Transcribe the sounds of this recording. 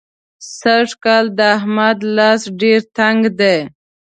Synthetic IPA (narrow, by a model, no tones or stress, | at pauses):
saʂkɑld̪əaɦmad̪lɑsɖeɾt̪aŋɡd̪e